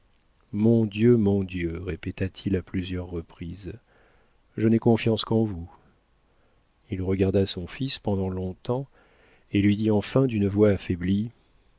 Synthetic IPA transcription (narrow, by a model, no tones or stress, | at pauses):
mɔ̃d̪jømɔ̃d̪jøʁepet̪at̪ʰilaplyzjœʁːəpχiz | ʒənɛkɔ̃fjɑ̃skɑ̃vu | ilʁəɡaʁd̪asɔ̃fispɑ̃d̪ɑ̃lɔ̃t̪ɑ̃ | elɥid̪iɑ̃fɛ̃d̪ynvwaːfɛbli